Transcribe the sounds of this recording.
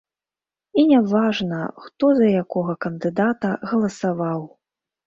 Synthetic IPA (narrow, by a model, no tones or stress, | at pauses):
inʲavaʐnɐxt̪ɔzɐjakɔɣɐkɐnd̪ɨd̪at̪ɐɣɐlˠɐsavaw